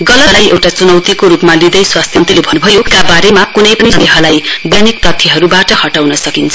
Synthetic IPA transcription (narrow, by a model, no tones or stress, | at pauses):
ɡʌlʌlajʔewʈat͡sunʌwt̪ikoɾupmalid̪ʌjswast̪ʰjʌnt̪ilebʱʌnubʱʌjokabaɾemakunʌjpʌnineɦʌlajbjanik̚p̪ʌt̪ʰːjʌɦʌɾubaʈʌhʌʈawnʌsʌkint͡sʰʌ